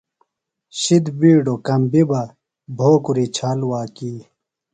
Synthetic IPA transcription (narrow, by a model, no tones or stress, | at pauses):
ɕid̪biːɖokɐmbiba | bʱoːkuɾit͡ɕʰaːlwaːkiː